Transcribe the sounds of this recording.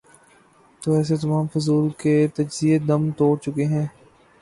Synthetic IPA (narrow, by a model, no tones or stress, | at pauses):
t̪oːɛːs̬et̪ɐmaːmfʊzuːlket̪ɐd͡ʒzied̪ɐmt̪oːt͡ʃʊkeɦɛ̃ː